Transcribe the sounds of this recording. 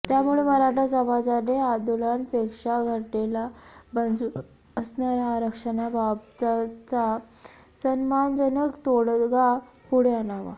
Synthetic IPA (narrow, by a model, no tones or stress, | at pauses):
t̪jamuɭeməɾaʈad͡zaʋad͡zad̪ead̪ulanpekʂaɡʱəʈelabənd͡zu | əsnaɾjaɾəkʂənababt͡sat͡sa | sənmand͡zənəkt̪oɽɡa | puɽeənaʋa̰